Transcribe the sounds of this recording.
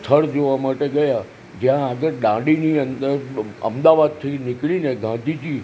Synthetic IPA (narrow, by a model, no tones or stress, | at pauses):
t̪ʰəɽd͡ʒoʋamaʈeɡəja | d͡ʒjãːɡəɾɖãɖiniənd̪əɾə̰md̪aʋad̪̚t̪ʰinɪkɭineɡãd̪ʱid͡ʒi